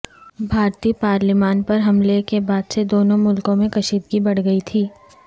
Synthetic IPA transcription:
bʱaːɾt̪iːpaːɾlɪmaːnpɐɾɦɐmlekebaːd̪sed̪oːnõmʊlkõmẽkɐʃiːd̪ɡibɐɽ̤ɡɐit̪ʰiː

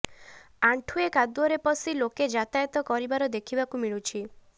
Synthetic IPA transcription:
aɳʈʰuekad̪uɔɾepɔsiloked͡ʒat̪ajt̪ɔkɔɾibaɾɔd̪ekʰibakumiɭut͡ʃʰi

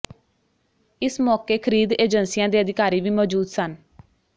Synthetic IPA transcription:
ɪsmɔːkeːkʰəɾiːd̪eːd͡ʒənsiːjãːd̪iːəd̪ɪkaːɾiːʋiːmɔːd͡ʒuːd̪sən

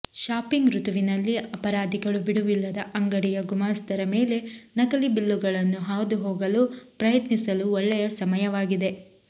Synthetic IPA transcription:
ʃaːpiŋɡɾut̪uʋinɐlːiɐpɐɾaːd̪ʱiɡɐɭubiɽuʋilːɐd̪ɐʔɐŋɡɐɽijɐɡumaːst̪ɐɾɐme̞ːle̞nɐkɐlibilːuɡɐɭɐnːuɦaːwd̪uɦoːɡɐlupɾɐjɐt̪nisɐluɔɭːɛjɐsɐmɐjɐʋaːɡid̪e

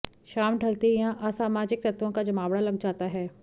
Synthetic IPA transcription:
ʃaːmɖʱɐlt̪ejãʔasaːmaːd͡ʒɪk̚t̪ɐt̪ʋõkad͡ʒɐmaːʋɽalɐɡd͡ʒaːt̪aɦɛː

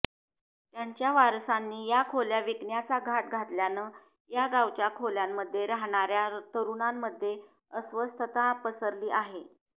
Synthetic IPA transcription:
t̪jaɲt͡ɕjaʋaɾsanːiːjakʰoljaʋikɳjat͡saɡʱaʈ̚ɡʱaʈljanəː | jaɡawt͡ɕjakʰoljamːəd̪ʱːjeɾaɦɳ̃aɾjat̪əɾunamːəd̪ʱːje | əsʋəst̪ʰət̪apəsəɾliːʔaɦe

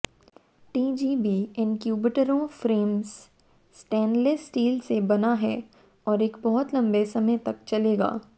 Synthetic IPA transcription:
ʈiːd͡ʒiːbiːɪ̃nkjuːbɪʈəɾõfɾeːmz | sʈɛ̃ːnɖlesʈiːlsebɐnaɦɛː | ɔːɾeːkbɔɦʊt̪lɐ̃mbesɐmət̪ɐkt͡ʃɐleːɡa̰ː

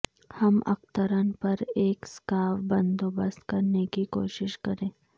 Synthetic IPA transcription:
hɐmʔɐ̰kt̪əɾənpɐɾeːkskaːʋbɐnd̪oːbəst̪kɐɾnekiko̰ːʃɪʃkɐɾẽː

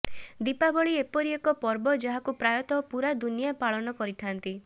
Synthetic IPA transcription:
d̪ipabɔɭiepɔɾiekɔpɔɾbɔd͡ʒaɦakupɾajɔt̪ɔpuɾad̪unijapaɭɔnɔkɔɾit̪ʰant̪i

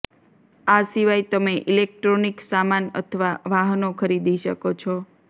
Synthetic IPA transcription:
asiʋajt̪əmeʔilek̚ʈɾoniksamanə̰t̪ʰəʋaʋaɦnokʰəɾid̪iʃəkot͡ʃʰɔ

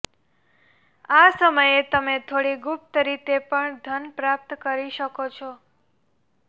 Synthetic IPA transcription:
asəməjet̪əmet̪ʰoɽiɡup̚t̪əɾit̪epəɳd̪ʱənpɾap̚t̪kəɾiʃəkot͡ʃʰɔ

